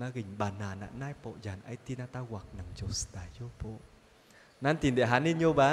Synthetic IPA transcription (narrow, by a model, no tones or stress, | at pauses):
maːɣïŋ̟ɓaːnaːna̰ːnaːjpo̰zaːnʔajt̪inaːt̪aːɣwaːk̚naŋt͡ɕost̪aːjopo̰ | naːnt̪inɗḛɦaːnːinɲoɓaː